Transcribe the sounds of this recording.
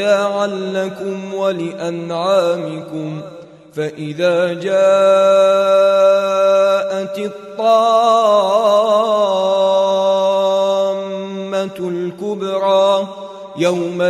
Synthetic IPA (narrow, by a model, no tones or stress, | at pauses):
aːʕanːakʊmwalɪʔanʕaːmɪkʊm | faʔɪðaːd͡ʒaː | ʔat̪t̪ˤːɑːʕ | mːat̪lkʊbɾˤɑː | jawma